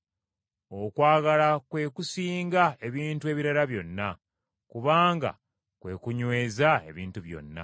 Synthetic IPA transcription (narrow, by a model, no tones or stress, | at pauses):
okwaːɡalakwe̞ːkusiːŋɡae̞βiːntue̞βiɾaɾaβjo̞nːa | kuβaːŋɡa̰ | kwe̞̰ːkuɲwe̞ːzae̞̰βiːntuβjo̞̰nːa̰